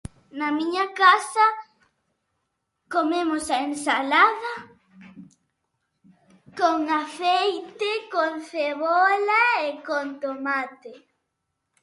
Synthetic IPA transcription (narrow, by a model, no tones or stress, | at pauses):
nɐmiɲakasɐ | komemosaensalaðɐ | koŋaθejt̪ɪkonθeβɔlaekont̪omat̪ɪ